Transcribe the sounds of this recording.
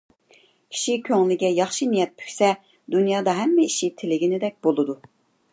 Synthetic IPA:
kʲʰi̥ʃikʲʰøŋlɪɡʲɛjɑχʃinijɛt̪̚pʰy̥kʲsɛ | d̪unjɑːd̪ɑɦɛmːɛiʃit̪ʰɪlɪɡʲinɪd̪ɛk̚ʲbolˠɨd̪u

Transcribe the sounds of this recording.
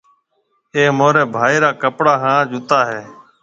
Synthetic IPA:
eːmoːɾeːbʱaːiːɾaːkəpɽaːɦãːd͡ʒʊt̪aːɦeː

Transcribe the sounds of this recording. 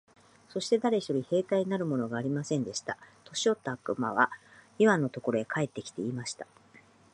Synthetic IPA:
so̞ɕi̥t̪e̞d̪aɾe̞çi̥t̪o̞ɾʲihe̞ːt̪aiɲinaɾɯ̟mo̞no̞ɡaːɾʲimasẽ̞nd̪e̞ɕi̥t̪at̪o̞ɕio̞t̪ːaːkɯ̟ma̰βa̰iβanːo̞t̪o̞ko̞ɾo̞e̞kʰae̞t̪ːe̞kʲi̥t̪e̞iːmaɕi̥t̪ḁ

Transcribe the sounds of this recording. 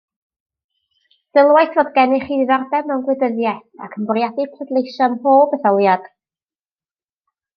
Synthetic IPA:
θɪlˠwajθvoːdɡɛnɪχiðardɛmɛwnɡwɪdəðjɛθa̰kʰənbɔrjadipʰrədlˠejʃɔnhoːbəθɔlˠjad̥

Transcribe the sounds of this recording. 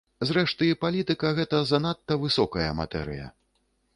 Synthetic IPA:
zɾɛʂt̪ɨipalʲit̪ɨkɐɣɛt̪ɐzɐn̪at̪ːɐvɨsɔkɐjɐ̰ma̰t̪ɛ̰ɾɨ̰jɐ̰

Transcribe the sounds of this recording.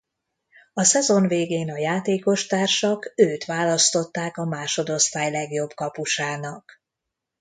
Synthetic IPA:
ɒsɛzo̞nveːɡeːnɒjaːt̪eːko̞ʃt̪aːrʃɒkøːt̪ʋaːlɒst̪o̞t̪ːaːkɒmaːʃo̞d̪o̞st̪aːjlɛɡjo̞bkɒpuʃaːnɒk

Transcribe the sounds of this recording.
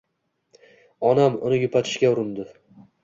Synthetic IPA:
ɒnamʊ̰nɪjʊpʰat̪ʰɪ̥ʃkʲaʊɾʊnd̪ɪ

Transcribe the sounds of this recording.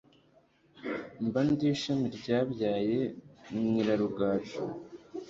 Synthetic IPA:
mbandiːʃamiɾɟaːbɟaːje̞mŋiːɾaɾuɡaːt͡ʃu

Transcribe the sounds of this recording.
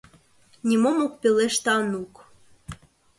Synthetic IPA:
nʲimomuk̚pʲeleʃt̪ɑnuk

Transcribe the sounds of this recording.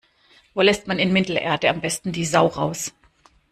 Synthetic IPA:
voːlɛstmanɪnmɪtl̩ʔḛːɐdəambɛstn̩diːzaʊʁaʊs

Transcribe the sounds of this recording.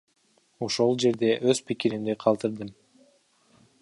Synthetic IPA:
oʃo̞lˠd͡ʒe̞ɾd̪e̞ʔøzpikiɾind̪eqʰɑlˠt̪ɯɾd̪ɯm

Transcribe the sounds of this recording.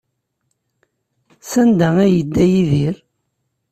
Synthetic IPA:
sænd̪ææjəd̪ːæjiðiɾ

